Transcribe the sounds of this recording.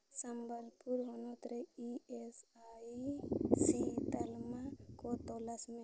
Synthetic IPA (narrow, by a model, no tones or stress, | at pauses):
səmbəɾpuɾɦonot̪ɾeiesa | sit̪əlmakot̪olasme